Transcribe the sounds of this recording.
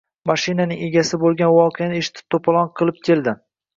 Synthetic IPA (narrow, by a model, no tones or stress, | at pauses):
maʃɪnanɪŋe̞ɡʲasɪbolˠɡʲanvɒqʰejanɪeʃɪ̥t̪ʰɪ̥t̪ʰopʰalˠɒnqʰɨlˠɪp̚kʲʰe̞ld̪ɪ